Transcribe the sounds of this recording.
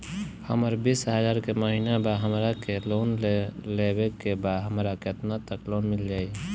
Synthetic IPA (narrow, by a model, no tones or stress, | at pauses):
həməɾbisɦəd͡ʒaːɾkeməɦinabaɦəmɾakeloːnlebekebad̪ɦəmɾakeət̪nat̪əkloːnmɪld͡ʒaːi